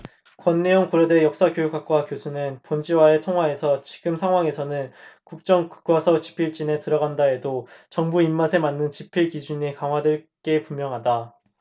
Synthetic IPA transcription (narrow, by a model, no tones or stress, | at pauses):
kwʌnːe̞joŋkoɾʌde̞jʌk̚s͈akjojuk͈ak͈wakjosʰunɯnpʌnd͡ʑiwaetʰoŋɦwae̞sʰʌt͡ɕi̥ɡɯmsʰaŋɦwaŋe̞sʰʌnɯnkuk̚t͡ɕ͈ʌŋkɯ̥k͈wasʰʌt͡ɕi̥pʰiɭt͡ɕ͈ine̞tɯɾʌɡandae̞dot͡ɕʌŋbuimːasʰe̞manːɯnt͡ɕipʰiɭkid͡ʑuɲekaŋɦwadɯɭk͈e̞pumjʌŋɦada